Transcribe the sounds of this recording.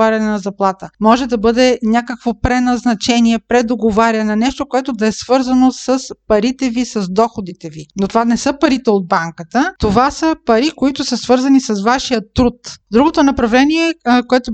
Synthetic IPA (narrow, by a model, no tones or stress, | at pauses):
aɾʲɐnɛnɐzɐplˠat̪əmɔʒɛd̪ɐbɤd̪ɛnʲakəkvopɾɛnɐznɐt͡ʃɛniɛpɾɛd̪oɡovaɾʲɐnɐnɛʃt̪okoɛt̪od̪ɐɛsvɤɾzɐnosəspɐɾit̪ɛvisɐzd̪ɔxod̪it̪ɛvinot̪ovanɛsɤpɐɾit̪ɛod̪̚baŋkət̪ət̪ovasəpɐɾikoit̪ʊsəsvɤɾzɐnisɐsvaʃijət̪ːɾut̪d̪ɾuɡot̪onɐpɾɐvlɛniɛkoɛt̪ʊ